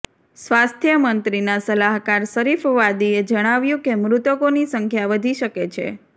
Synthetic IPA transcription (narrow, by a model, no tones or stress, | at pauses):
sʋast̪ʰjəmənt̪ɾinasəlaɦkaɾsəɾifʋad̪ied͡ʒəɽ̃aʋjũkemɾut̪əkonisəŋkʰjaʋəd̪ʱiʃəket͡ʃʰḛ